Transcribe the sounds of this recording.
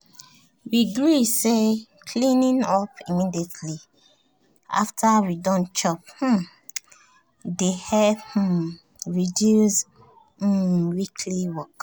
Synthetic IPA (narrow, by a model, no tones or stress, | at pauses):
wiɡɹisekʰlĩnĩnɔpimidiɛtʰli | a̰ftʰaɹidɔ̃nt͡ʃɔp̚h̩ | dehɛh̩ | ɹidjus̩ | wikʰliwɔk